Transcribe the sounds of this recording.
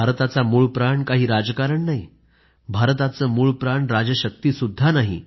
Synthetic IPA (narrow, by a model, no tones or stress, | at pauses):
bʱaɾt̪at͡samuːɭpɾaɳkaɦiːɾad͡zkaɾəɳnaɦi | bʱaɾt̪at͡səːmuːɭpɾaɳɾad͡ʑəɕək̚t̪iːsud̪ʱːanaɦḭ